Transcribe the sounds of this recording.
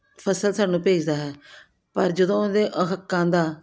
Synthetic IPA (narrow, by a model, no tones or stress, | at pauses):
pʰəsəlsaːnũːpeːd͡ʒd̪aːɦɛː | pəɾd͡ʒəd̪õːd̪eːʔəɦəkːãːd̪aː